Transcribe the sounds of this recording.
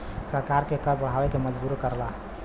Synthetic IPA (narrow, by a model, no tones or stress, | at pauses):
səɾkaɾkekəɾbəɽ̤awekeməd͡ʒbuɾkəɾla